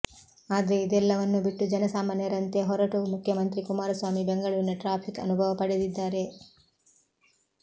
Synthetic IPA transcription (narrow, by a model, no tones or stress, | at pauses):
aːd̪ɐɾe̞id̪ɛlːɐʋɐnːubiʈːud͡ʒɐnɐsaːmaːnjɐɾɐnt̪e̞ɦɔɾɐʈumukʰjɐmɐnt̪ɾikumaːɾɐsʋaːmibeŋɡɐɭuːɾinɐʈɾaːpʰikɐ̰nubʱɐʋɐpɐɽed̪id̪ːaːɾe̞